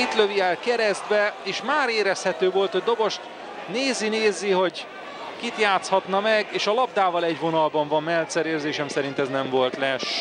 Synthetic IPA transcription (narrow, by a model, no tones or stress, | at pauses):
it̪løviɛlkɛɾɛzd̪vɛeːʃmaːɾeːɾɛshɛt̪øːvo̞lt̪hoɟd̪o̞bo̞ʃt̪ | neːzineːzːiɦo̞ɟ | kit̪jaːt̪shɒt̪nɒmɛɡeːʃɒlɒb̚d̪aːvɒlɛɟvo̞nɒlbɒɱvɒmmɛlt̪sɛɾeːrzeːʃɛmsɛɾint̪ɛznɛɱvo̞lt̪lɛʃ